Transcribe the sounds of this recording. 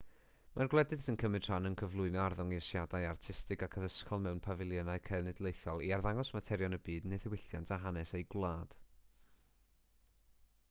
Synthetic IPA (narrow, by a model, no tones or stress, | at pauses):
marɡlˠɛdɨð̥sənkʰəmɨd̥ʰr̥anənkʰəvlˠʊɨnɔarðʊŋiəsjadajartʰɪstɪɡakʰəðəskʰɔlˠmɛwnpʰavɪlˠjənaɨkʰɛnɪdlˠejθɔlˠiarðaŋɔsmatʰɛɾjɔnəbiːdneθɪwɪɬjantʰaɦanɛsejɡlˠaːd̥